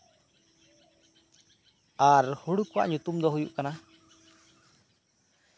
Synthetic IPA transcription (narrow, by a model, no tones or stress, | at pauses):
aɾhuɽukɔwa̰ʔɲut̪umd̪ɔɦujuʔkana